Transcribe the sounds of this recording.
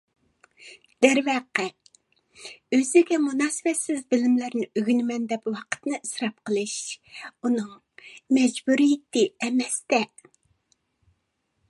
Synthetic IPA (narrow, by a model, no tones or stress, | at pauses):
d̪̥ɛɾwæqːɛ | øzɪɡʲɛmunɑːsɪbɛt̪sɪzbɪlɪmlæɾnɪøɡʲynmɛnd̪ɛpwɑqʰə̥t̪nɨʔisɾɑp̚qʰəlˠɨʃunɨŋ | mɛd͡ʒbuɾijɪt̪ɪɛmɛst̪ɛ